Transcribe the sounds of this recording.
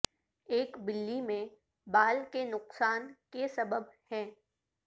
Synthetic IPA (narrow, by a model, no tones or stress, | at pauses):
eːkbɪlːimẽ | baːlkenʊqsaːnkesɐbəbhɛ̃ː